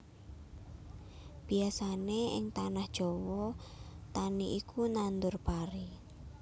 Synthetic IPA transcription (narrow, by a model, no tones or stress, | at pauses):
b̥i̤asaneɪ̰ŋt̪anahd̥ʒ̥ɔ̤wɔt̪aniʔikʰunand̪ʊrb̥aɾi